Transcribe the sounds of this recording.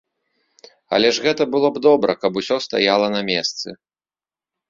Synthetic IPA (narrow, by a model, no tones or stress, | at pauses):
ɐ̰lʲɛʐɣɛt̪ɐbɨlˠɔbd̪ɔbɾɐ̰kɐpusʲɔst̪a̰jalˠɐnɐmʲɛst̪sɨ